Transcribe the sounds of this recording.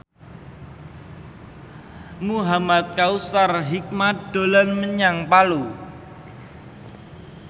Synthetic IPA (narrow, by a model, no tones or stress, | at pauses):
muɦamat̪̚kausarɦik̚mad̪̥o̤lanməɲaŋpalu